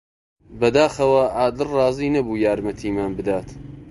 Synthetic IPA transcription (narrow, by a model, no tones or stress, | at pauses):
bɐd̪aːxɐwɐʔaːd̪ɨlrɑːziːnɐbuːjaːɾmɐt̪ʰiːmaːnbɨd̪aːt̪